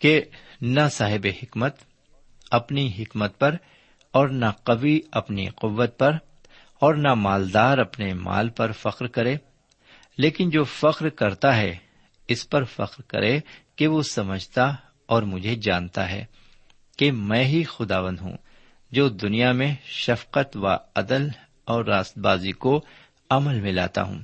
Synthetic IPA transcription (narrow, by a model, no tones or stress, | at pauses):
ke | nasaːɦɪbehɪkmət̪ | ɐpniɦɪkmət̪̚pɐɾ | ɔːɾnaqɐʋiɐpnḭqʊʋːət̪̚pɐɾ | ɔːɾnamaːld̪aːɾɐpnema̰ːlpɐɾfɐqɾkɐɾẽː | leːkɪnd͡ʒoːfɐqɾkɐɾt̪aɦɛ̰ | ɪspɐɾfɐ̰qɾkɐ̰ɾekeʋosɐməd͡ʒʱt̪a | ɔːɾmʊd͡ʒʱed͡ʒaːnt̪a̰ɦɛ̰ː | kemɛ̃ːɦixʊd̪aːʋə̃nd̪ɦṵ̃ː | d͡ʒoːd̪ʊnijamẽʃɐfqət̪ʋa̰ɐd̪əl | ɔːɾːaːst̪̚baːziko | ɐməlmɪ̃la̰ːt̪a̰ɦṵ̃ː